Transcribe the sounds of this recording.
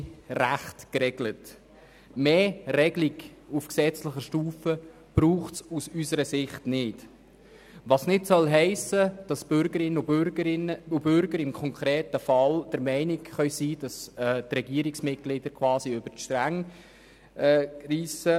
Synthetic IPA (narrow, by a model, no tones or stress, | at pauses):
ræχtkɾɛɡlət | meːrɛɡliɡufksɛt͡sləχəʃtuːfə | b̥ɾuːχtsusysəɾəsɪχtnɪt | ʋɑsnɪtsœlɦɛɪsəd̥ɑsb̥øɾɡəɾɪnəɾəɪnʊbʏɾɡəɾɪmkʰɔŋkʰɾɛːtəfɑld̥əɾmɛɪnikχœʏsiːd̥ɑstrɛɡiəɾiksmɪt̚ɡ̥lɪd̥əɾkʰwɑːsiøb̥ətʃtɾæŋ | riːsə